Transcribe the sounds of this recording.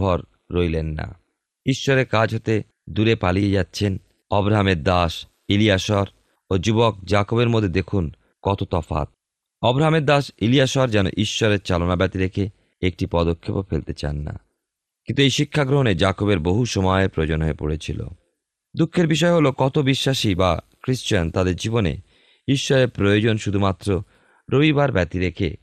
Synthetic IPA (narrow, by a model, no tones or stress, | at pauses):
ɔɾː | ojlenːa̰ | iʃːɔɾeɾkad͡ʑʱɦot̪e | d̪uɾepalied͡ʑat̪ːɕʰen | ɔbɾaɦameɾd̪aʃ | iliaʃɔɾ | od͡ʑubok̚d͡ʑakobeɾmod̪ʱːed̪ekʰun | kɔt̪ot̪ɔfa̰t̪̚ | ɔbɾaɦameɾd̪aʃilijaʃɔɾd͡ʑɛno̰ʔiʃːɔɾeɾt͡ɕalonabɛt̪iɾekʰe | ek̚ʈipɔd̪okʰːepofelt̪et͡ɕa̰nːa̰ | kint̪uejʃikʰːaɡɾoɦoned͡ʑakobeɾboɦuʃɔmɔepɾojod͡ʑonɦoepo̰ɽet͡ɕʰilo̰ | d̪ukʰːeɾbiʃ̬ɔeɦolokɔt̪obiʃːaʃiba̰kɾiʃt͡ɕiant̪ad̪eɾd͡ʑibonḛ | iʃːɔɾeɾpɾojod͡ʑonʃud̪ʱumat̪ːɾo | ɾobibaɾbɛt̪iɾekʰḛ